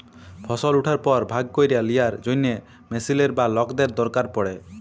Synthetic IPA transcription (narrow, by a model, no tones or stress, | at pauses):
pʰɔsɔluʈʰaɾpɔɾbʱaɡ̚kojɾijalijaɾd͡ʒojne | mesileɾbalɔkd̪eɾd̪ɔɾkaɾpɔɽe